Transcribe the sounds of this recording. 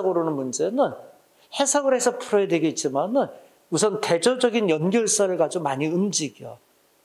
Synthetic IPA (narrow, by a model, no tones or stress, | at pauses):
ɡɯɾonɯnmund͡ʑe̞nɯn | he̞sʰaɡɯɾɦesʰʌpʰuɾʌjedwe̞ɡeit̚t͡ɕ͈imanɯn | usʰʌnte̞d͡ʑʌd͡ʑʌɡinjʌnɡjʌɭs͈aɾɯɭɡad͡ʑomaɲiɯmd͡ʑiɡijo̰